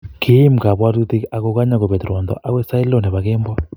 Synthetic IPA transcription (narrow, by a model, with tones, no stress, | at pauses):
kʰe˦m˨ka˨βwa˦tu˦ti˦ka˨ko˦ka˦ɲa˦ko˨βɛ˨tɾɔ˨ndɔ̰˨ʔa˦we˦sa˦i˦lɔ˨nɛ˨βa˨keː˦mbwa˦